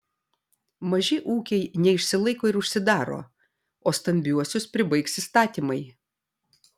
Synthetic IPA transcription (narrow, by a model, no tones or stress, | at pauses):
mɐʒʲɪʔuːkʲɛɪnʲɛɪʃʲsʲɪlˠɐɪkoːɪɾʊʃʲsʲɪd̪ɑːɾo̰ː | oːst̪ɐmʲbʲuɔsʲʊspʲɾʲɪbɐɪksist̪ɑːt̪ʲiːmɐɪ